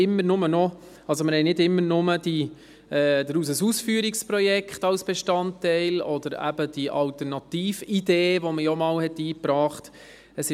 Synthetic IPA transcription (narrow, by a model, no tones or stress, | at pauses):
ɪmːəɾnʊmənɔ | ɑlzomɪɾhɛɪnɪdɪmːəɾnʊməd̥i | ɛd̥̪əɾuːs̬əsuːsfyːɾikspɾɔjɛkχtɑlsb̥eʃtɑntːɛɪlɔd̥̪əɾæ̰b̥əd̥iʔɑltəɾnɑtiːfideːvoməjɔmɑːlhɛtiːpɾɑːχt | əsɪ